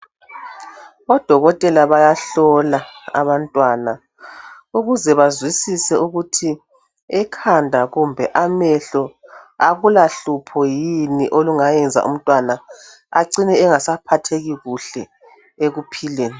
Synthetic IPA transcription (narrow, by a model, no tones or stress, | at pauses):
ɔd̥ʱɔɣɔtʼɛlaβajaɬɔlaa̰βantʼwana | uɣuzɛβazwisisɛuɣutʰi | ɛkʰandʱaɣumbʱɛʔamɛɬɔaɣulaɬupʰɔjiniʔoluŋajɛnd͡zʱa̰ʔṵm̩tʼwana | aǀinɛːŋasapʰatʰeɣiɣuɬɛ | eɣupʰileːni